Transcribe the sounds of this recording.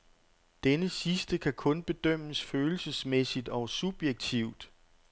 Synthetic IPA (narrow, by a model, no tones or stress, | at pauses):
d̥enəsisd̥əkʰækʰɔ̽nb̥e̝d̥øm̰əsføːl̩səsmesid̥ɒ̽sub̥jeɡ̥̚t͡sʰiʊ̰d̥